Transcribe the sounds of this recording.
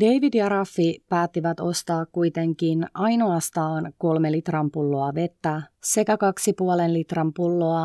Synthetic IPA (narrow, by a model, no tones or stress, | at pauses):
deiʋidjɑɾɑfːipæːt̪ːiʋæt̪o̞st̪ɑːkkuit̪e̞ŋkinɑjno̞ɑst̪ɑːnko̞lmelit̪rɑmpulːoɑʋe̞t̪ːæse̞kækɑksipuolenlit̪rɑmpulːoɑ